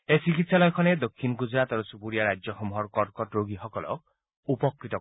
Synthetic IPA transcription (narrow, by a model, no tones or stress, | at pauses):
esikit̪salɔjɔkʰɔned̪okʰːinɔɡud͡ʒɾat̪ɔɾɔsupuɾijaɾad͡ʒjɔxɔmɦɔɾkɔɾkɔʈɾoɡixɔkɔlɔ̰ | upɔkɾit̪ɔ